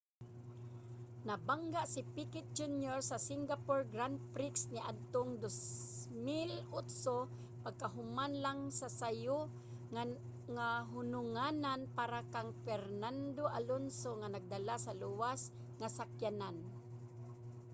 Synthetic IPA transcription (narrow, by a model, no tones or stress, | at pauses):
nabaŋɡaʔsipikɪt̪̚d͡ʒunjoɹsasɪŋɡapoɹɡɾand̪̚pɾɪksnɪʔad̪̚t̪oŋd̪osmɪlʊt̪so | paɡ̚kaɦʊmanlaŋsasajʊ | ŋaɦʊnʊŋananpaɾakaŋfɛɾnand̪oʔalonsoŋanaɡ̚d̪alasaluwas | ŋasakjanan